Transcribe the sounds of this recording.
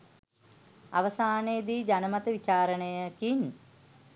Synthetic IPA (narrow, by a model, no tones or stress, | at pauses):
a̰ʋəsaːnejd̪iːd͡ʒanəmat̪əʋit͡ʃaːɾənəjəkiɲ